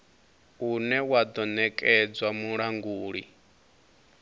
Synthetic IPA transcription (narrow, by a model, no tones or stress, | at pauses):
unɛwad̪ɔnɛkʼɛd͡zwamuɺaŋɡuːɺi